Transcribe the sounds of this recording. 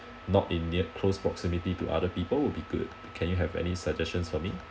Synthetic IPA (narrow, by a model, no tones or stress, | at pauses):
nɔtĩnːiəkʰlospɹɔksimititṵʔa̰dəpiːpəlwilbiɡṵd̚ | kʰɛ̃njuɦɛvɛ̰nisəd͡ʒɛst͡ʃə̃nsfɔmi